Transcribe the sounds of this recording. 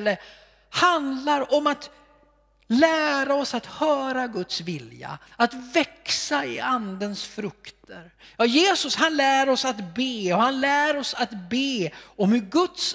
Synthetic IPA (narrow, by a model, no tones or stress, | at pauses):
lːə | hand̪laɾɔmat̪ | læːɾaɔsat̪hœːɾaɡɵt̪svɪlja̰at̪vɛksaɪ̰and̪ənsfɾɵkt̪ʰəɾjɑːjeːsɵshanlæːɾɔsat̪beːɔhanlæːɾɔsat̪beːɔmhɵɾɡɵt̪s